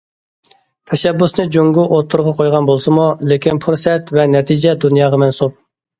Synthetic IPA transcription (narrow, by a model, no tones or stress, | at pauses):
t̪ʰɛʃɛbːusnɨd͡ʒoŋɡuʔot̪ʰːuɾʁɑqʰojʁɑnbolˠsɨmulekʲʰinpʰuɾsɛt̪vɛnɛt̪ʰid͡ʒɛd̪unjɑːʁɑmɛnsup̚